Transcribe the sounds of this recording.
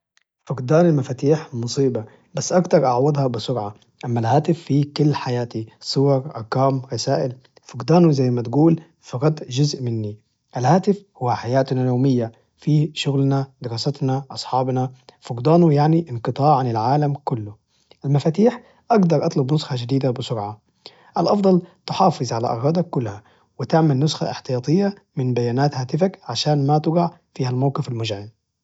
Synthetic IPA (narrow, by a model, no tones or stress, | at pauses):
fʊɡd̪aːnɪlmafaːt̪iːħmʊsˤiːba | basːʔaɡt̪ɑɾˤʔɑʕwɑd̪ˤhɑbɪsˤʊɾʕa | ʔamːalhaːt̪ɪfːikʊlːħajaːt̪isˤʊwɑɾˤʔɑ̰ɾˤkaːmɾɑsaːʔɪl | fʊɡd̪aːnuzajːmat̪ɡuːl | fiɣɑd̪ʒʊzʔmɪnːi | ʔalhaːt̪ɪfhʊwːaħajaːt̪najoːmɪjːa | fiʃʊɣlnad̪ɪɾɑːsat̪naʔɑsˤħɑːbnafʊɡd̪ˤɑːnujaʕniʔɪnqɨt̪ˤɑːʕʕanɪlʕaːlamkʊlːʊ | ʔalmafaːt̪iːħ | ʔɑɡd̪ɑɾˤʔɑt̪ˤlʊbnʊsxɑd͡ʒɪd̪iːd̪abɪsʊɾʕa | ʔalʔɑfd̪ˤɑlt̪ɪħɑːfɨzˤʕala̰ʔɑ̰ɣɑd̪akːʊlːha | wɪt̪ɪʕmalnʊsxa̰ʔɪħt̪ɪjɑːt̪ˤɨjːa | mɪnbajaːnaːt̪haːt̪ɪfakʕaʃaːnmat̪ɪɡɑʕ | fiːhalmawqɪfalmʊʒʕiːn